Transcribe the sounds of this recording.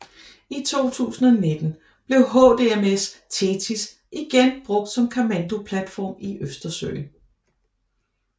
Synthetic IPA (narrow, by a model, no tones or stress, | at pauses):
it͡sʰo̝̰ːt͡sʰṵːsn̩ɒne̝d̥n̩ | b̥le̝ʊɦɔ̰ːd̥e̝emest͡sʰe̝t͡sʰis | ʔiɡ̥enb̥ʁɔ̽ɡ̥̚d̥sɒ̽mkʰæmænd̥o̝pʰlæd̥fɒ̰ːmiʔøsd̥ɐsø̰ːɪn